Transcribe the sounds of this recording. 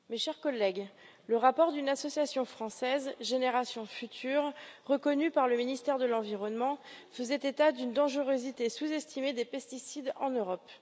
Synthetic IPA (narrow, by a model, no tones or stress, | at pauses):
meʃɛʁkɔlːɛɡ | ləʁapɔʁd̪ynasɔsjasjɔ̃fχɑ̃sɛzʒeneʁasjɔ̃fyt̪ʰyːʁʁəkɔnypaʁləminist̪ɛʁd̪əlɑ̃viʁɔnmɑ̃fəzɛt̪et̪ad̪ynd̪ɑ̃ʒəʁøzit̪esuzɛst̪ʰimed̪epɛst̪isid̪ɑ̃nøʁɔp